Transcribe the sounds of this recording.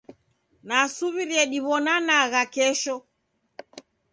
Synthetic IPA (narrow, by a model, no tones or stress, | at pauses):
nasuβiɾiɛɗiβɔnanaɣakɛʃɔ